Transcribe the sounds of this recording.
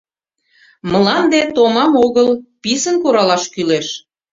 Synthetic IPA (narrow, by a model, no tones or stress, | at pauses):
məlɑnd̪et̪omɑmoɣəlpisənkoɾɑlɑʃkyleʃ